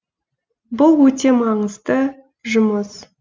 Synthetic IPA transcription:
bʊlˠwɵt̪e̞mɑɴəzt̪ə | ʒʊməs

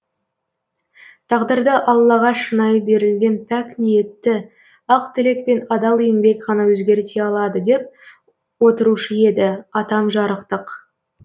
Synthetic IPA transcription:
t̪ʰɑʁd̪əɾd̪əʔɑlˠːɑʁɑʃənɑjbe̞ɾɪlɡʲe̞npʰæknije̞t̪ːɪ | ɑqt̪ʰɪle̞k̚pe̞nɑd̪ɑlˠijɪŋbe̞kqɑnɑwɵzɡʲe̞ɾt̪e̞ɑlˠɑd̪əd̪e̞p̚ | wo̞t̪əɾuʃəje̞d̪ɪɑt̪ɑmʒɑɾəqt̪əq

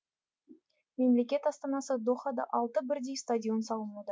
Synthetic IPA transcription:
me̞mle̞kʲe̞t̪ɑst̪ɑnɑsəd̪oχɑd̪ɑ̰ʔɑlˠt̪əbɪɾd̪e̞jst̪adʲijo̞nsɑlˠəmud̪ə

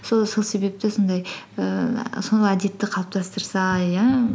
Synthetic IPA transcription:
so̞so̞lˠse̞be̞p̚t̪ɪso̞nd̪ɑj | əsond̪æd̪e̞t̪ːɪqʰɑlˠəp̚t̪ʰɑst̪əɾsɑa

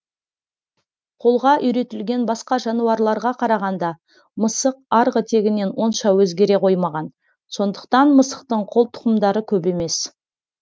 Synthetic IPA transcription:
qʰo̞lˠʁɑʔʏjɾe̞t̪ɪlɡʲe̞nbɑsqɑʒɑnuɑɾlˠɑɾʁɑqʰɑɾɑʁɑnd̪ɑ | məsəq̚ɑɾʁət̪ʰe̞ɡʲɪne̞nwo̞nʃɑwɵzɡʲe̞ɾe̞qʰo̞jmɑʁɑn | so̞nd̪əqt̪ɑnməsə̥q̚t̪əɴqʰo̞lˠt̪ʰʊ̥qəmd̪ɑɾəkʲʰɵpe̞me̞s

